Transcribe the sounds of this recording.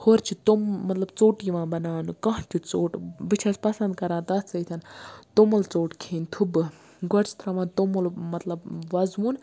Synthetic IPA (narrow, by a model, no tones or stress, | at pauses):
hoɾt͡ʃʰit̪omːɐt̪lɐbt͡soːʈiːʋãːbɐnaːnɨkɐ̃ɦt͡ʃʲʰit͡soːʈbɨt͡ʃʰɐspɐsɐnd̪̚kɐɾãːnt̪ɐt̪t͡sɐit̪ʰɐnt̪omɐlt͡soːʈkʰeːnt̪ʰubɨ | ɡoɾt͡ʃʰt̪ɾɐʋãːnt̪omolmɐt̪lɐbʋɐzʋuːn